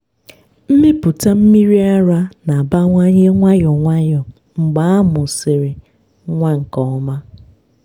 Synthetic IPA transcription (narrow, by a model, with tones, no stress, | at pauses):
m̩˦mɪ˦pʊ˨ta˦m̩˦mi˦ɾi˦a˦ɾa˦na˨ba˦ŋʷa˦ɲe˦ŋʷa˦jɔ˨ŋʷa˦jɔ˨ | ŋ͡m̩˨ɡ͡ba˦a˦mʊ˨sɪ˨ɾɪ˨ | ŋʷa˦ŋ̩˨kɔ˨ɔ˦ma˦